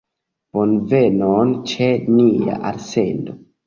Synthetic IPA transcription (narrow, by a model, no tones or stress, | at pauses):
b̥onvenont͡ʃenia̰ʔaɾsendo